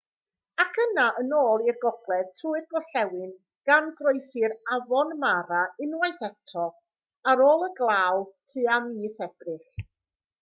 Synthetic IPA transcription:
akʰənaʔənoːlˠirɡɔɡ̥lˠɛðtʰuːɨrɡɔɬɛwɨn | ɡ̥anɡrojθɨɾavɔnmaɾaɪnwajθɛtʰɔ | aɾoːlˠəɡlˠaːwlˠtʰɨamiːθɛb̥rɨχ

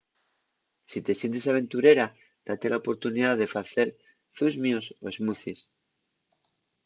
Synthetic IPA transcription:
sit̪e̞sje̞nt̪e̞saβ̞e̞nt̪uɾe̞ɾa | d̪̥at̪e̞laopo̞ɾt̪uniðaðe̞faθe̞ɾ | θuzmjoso̞e̞zmuθis

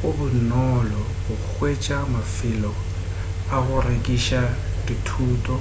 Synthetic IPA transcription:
ʊbʊnɔlɔ | bʊk͡xʰwet͡ʃʼamafɪlɔ | aɣʊrekʼiʃaditʰuːtʼɔ

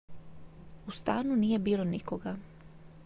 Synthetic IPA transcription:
ust̪aːnuniːje̞biːlˠonikoɡa

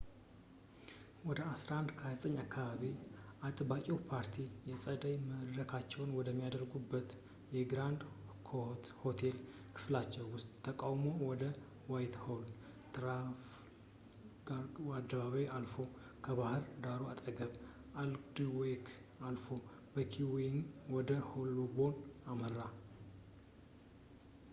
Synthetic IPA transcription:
wɔd̪əasɾand̪kʰəjazt̪ʼəɲːakːaβaβiʔat̪ʼbakʼiwpʰaɾt̪ʰijɛsʼəd̪əjməd̪ɾəkʰat͡ʃːɛwnwɔd̪əmːijad̪əɾɡubːət̪ | jɛɡɾand̪kʰho̞t̪ʰel | kʰɨ̥flat͡ʃːɛwːʊst̪ʼt̪ʰːəkʼawmo̞wɔd̪ə | wajt̪hold̪ | t̪ɾaf | ɡawad̪ːəβaβajalfo̞ | kʰəβahɨɾd̪aɾoat̪ʼəɡəβ | ald̪wekʰ | alfo̞ | b̥əkʰiwenwɔd̪əholːobo̞namərːa

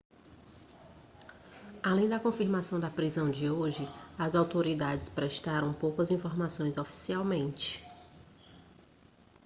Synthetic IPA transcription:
alẽj̃d̪ɐkõfiɾmasɐ̃w̃d̪ɐpɾizɐ̃w̃d͡ʒɪoʒɪɐzawt̪oɾid̪ad͡ʒɪspɾɛʃt̪aɾɐ̃w̃powkɐzĩfoɾmasõj̃zofi̥siawmẽnt͡ʃɪ̥

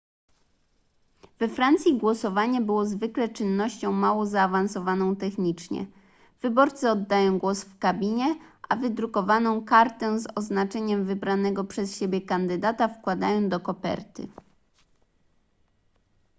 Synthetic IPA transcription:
vɛfɾant̪sʲjiɡwɔsɔvaɲɛbɘwɔzvɘklɛt͡ʂɘnːɔɕt͡ɕɔ̃w̃mawɔzaːvansɔvanɔ̃w̃t̪ɛxɲit͡ʂɲɛ̰ | vɘbɔɾt̪sɘɔd̪ːajɔ̃w̃ɡwɔsfkabʲiɲɛʔavɘd̪ɾukɔvanɔ̃w̃kaɾt̪ɛw̃zɔznat͡ʂɛɲɛmvɘbɾanɛɡɔpʂɛsɕebʲjɛkand̪ɘd̪at̪afkwad̪ajɔ̃w̃d̪ɔkɔpɛ̰ɾt̪ɘ̰

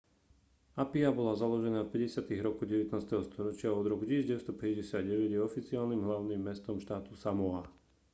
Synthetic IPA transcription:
apiabɔlazalɔʒɛnaːfpɛɟɛsɪat̪iɣɾɔkuɟɛʋɛt̪naːst̪ɛɦɔst̪ɔɾɔt͡ʃɪaɔd̪ɾɔkucizɟɛʋɛst̪ɔpɛɟɟɛsɪad̪ɟɛʋɛɟjɛɔfit͡siaːlnimɦlaʊnimːɛst̪ɔmʃt̪aːt̪usamɔa

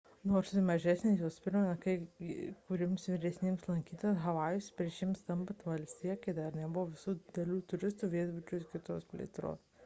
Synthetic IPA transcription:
noːɾsmɐʒʲæsʲnʲesjoːspʲɪɾmɐnɐkɐɪkʊɾʲɪmsʋʲɪɾʲɛsʲnʲemslˠɐŋʲkʲiːt̪ɐsɦɐʋɑːjʊsʲpʲɾʲiɛʃʲɪmst̪ɐmpɐt̪ʋɐlʲsʲt̪ʲiːjɛkɐɪd̪ɐɾnʲɛbʊʋoʋʲɪsuːd̪ʲɪd̪ʲɛlʲuːt̪ʊɾʲɪst̪uːʋʲiɛd̪bʊt͡ʃʲʊskʲɪt̪oːspʲlʲḭḛt̪ɾo̰ːs

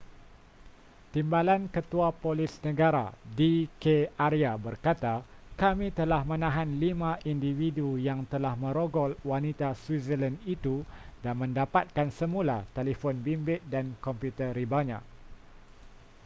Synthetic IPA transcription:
t̪imbalankət̪uapolɪsnə̃ɡaɾa̰dikeaɾiabərkat̪akamĩt̪əlahmə̃nãɦanlimãʔindividujaŋt̪əlahmə̃ɾoɡɔlwanit̪aswizələnit̪udanmə̃ndapat̪̚kansəmũlat̪elifɔnbimbɪt̪̚dankɔmpjut̪əɾibaɲã̰ʔ

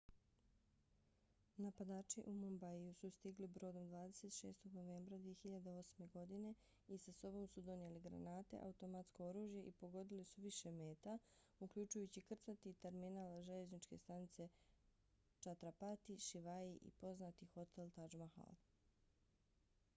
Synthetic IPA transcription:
napad̪aːt͡ʃiʔumombaiusust̪iɡlibɾo̞ːd̪o̞md̪ʋaːd̪e̞se̞t̪ʃe̞̰ːst̪o̞ɡno̞ʋe̞ːmbɾad̪ʋije̞xiʎad̪eo̞sme̞ɡo̞d̪ine̞ | isaso̞bo̞msud̪o̞nje̞liɡɾa̰naːt̪e̞̰ʔa̰ut̪o̞mat̪sko̞oɾuːʒje̞ʔipo̞ɡo̞d̪ilisuʋiʃe̞me̞ːt̪a | ukʎut͡ʃujut͡ɕikr̩t̪sat̪it̪e̞ɾminaːlʒeʎe̞znit͡ʃke̞̰st̪anit̪se̞ | t͡ʃat̪ɾapat̪iʃiʋaiʔḭpo̞znat̪ixo̞t̪ʰe̞lˠt̪ad͡ʒmaxa̰l

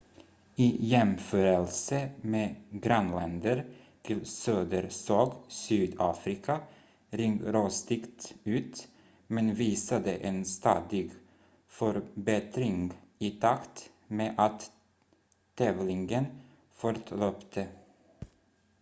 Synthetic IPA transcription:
iːjɛmføːɾəlsəmeːɡɾanlɛnd̪əɾ | t̪ʰɪlsøːd̪əɾsɑːɡsyːd̪ɑːfɾɪkʰa | ɾɪŋɡɾost̪ɪkt̪ʉ̟ːt̪ | mɛnviːsad̪əʔenst̪ɑ̰ːd̪ɪɡ | fœɾbɛt̪ɾɪŋɪːt̪ʰakt̪ | meːʔat̪ | ɛːvlɪŋɡən | fɔɾt̪ʰløːpt̪ʰə

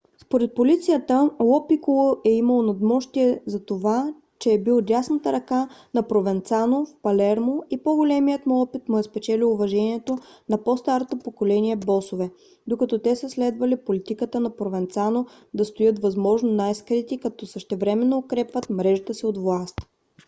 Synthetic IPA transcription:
spoɾɛt̪̚polit̪sijət̪əlɔpikolˠoʔɛiməlˠonɐd̪mɔʃt̪iɛzɐt̪ova | t͡ʃɛːbilˠɾʲasnət̪əɾɐkanɐpɾovɛnt̪sanofpɐlɛɾmoipoɡolɛmijət̪muɔpit̪mʊɛspɛt͡ʃɛlilˠʊvɐʒɛniɛt̪onɐpɔst̪aɾot̪opokolɛniɛbɔsovɛ | d̪okɐt̪ɔt̪ɛsəslɛd̪vɐlipolit̪ikət̪ənɐpɾovɛnt̪sano | d̪ɐst̪ojɤt̪vɐzmɔʒnonajskɾit̪ikɐt̪ɔsəʃt̪ɛvɾɛmɛnːoːkɾɛpvət̪mɾɛʒət̪əsiod̪vlˠast̪

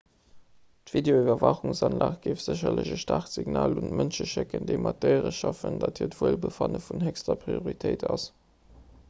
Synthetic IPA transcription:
tv̥ideoivɐvɑχuŋsɑnlaːχt̚ɡ̥eːfz̥əɕɐləʑəʃtaχtz̥iɡnaːluntmənʃəʃɪkəndəɪmɑt̚dəɪʁəʃɑfəndɑthiːɐtv̥uəlbəfɑnəfunhɛkstɐpʁioʁitʰəɪtɑs

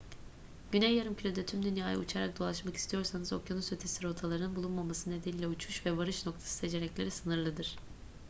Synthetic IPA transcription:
ɟ̥ynɛjːaɾɯmcʰylʲed̪ɛt̪ʰymd̪ynjaːja̰ṵt͡ʃʰaɾak̚d̪o̞lˠaʃmaki̥st̪ʰijo̞ɾsanɯzo̞̰kjonusøt̪ʰesiɾo̞t̪ʰalˠaɾɯnɯnbulˠunmamasɯne̞d̪eniːlʲɛut͡ʃʰuʃvɛvaɾɯʃno̞k̚t̪ʰḁsɯ̥se̞d͡ʒe̞ɾɛclʲe̞ɾisɯnɯɾlˠɯd̪ɯɾ̝̥

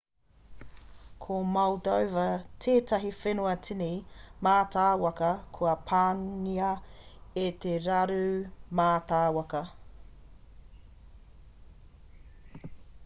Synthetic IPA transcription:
kʰomɐwdowvɐtʰeːtʰɐɦifenoɐtʰinimaːtʰaːwɐkɐkʰoɐpʰaːŋiɐet̪ʰeɾɐɾʉumaːtaːwɐkɐ

